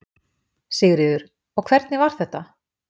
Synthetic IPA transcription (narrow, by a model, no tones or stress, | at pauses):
sɛːɣɾɪðʏɾ̥ | ɔɣkʰvɛɾt̪nɪvaɾ̥θɛht̪ːa